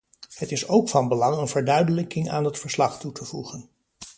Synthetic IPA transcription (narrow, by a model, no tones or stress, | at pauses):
hətɪsowkfɑnbəlɑŋənvəɹdœɥdələkɪŋa̰ːnɦətfəɹslɑχtutʰəvṵχən